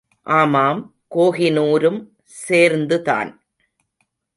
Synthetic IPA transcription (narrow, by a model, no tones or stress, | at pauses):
ʔaːmaːm | koːɣɪnuːɾɯm | seːɾnd̪ɯða̰ːn